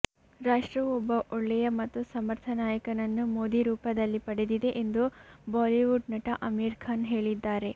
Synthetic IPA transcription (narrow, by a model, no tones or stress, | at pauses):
ɾaːʂʈɾɐʋɔbːɐʔɔɭːɛjɐmɐt̪ːusɐmɐɾt̪ʰɐnaːjɐkɐnɐnːumoːd̪iɾuːpɐd̪ɐlːipɐɽed̪id̪e̞ʔend̪ubaːliʋuɖnɐʈɐʔɐmiːɾkʰaːnɦe̞ːɭid̪ːaːɾe̞